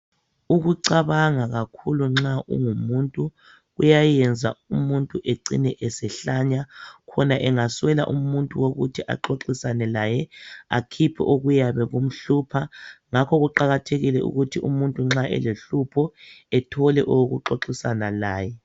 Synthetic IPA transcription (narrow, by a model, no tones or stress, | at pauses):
uɣuǀaβaŋaɣakʰuluŋ͡ǁaʔṵŋumuntʼu | ɣujajɛnd͡zʱaumuntʼuʔeǀḭnɛʔɛsɛɬaɲakʰɔnaʔɛŋaswɛla̰ʔumuntʼuwoɣutʰiʔa̰ǃoǁisanɛlajɛa̰kʰipʰɛ̰ʔoɣujaβɛɣum̩ɬuːpʰaŋakʰɔɣuǃaɣatʰeɣilɛʔṵɣutʰiumuntʼuŋ͡ǁaʔɛ̰leɬupʰɔɛtʰɔlɛʔowoɣuǁoǁisanalaːjɛ